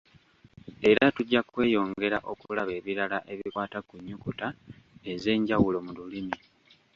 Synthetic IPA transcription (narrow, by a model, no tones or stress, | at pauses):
e̞ɾatuɟːakwe̞ːjo̞ːŋɡe̞ɾaʔo̞kulaβe̞ːβiɾalaʔe̞βikwaːtakuɲːukutae̞ze̞ːɲɟawulo̞mululimi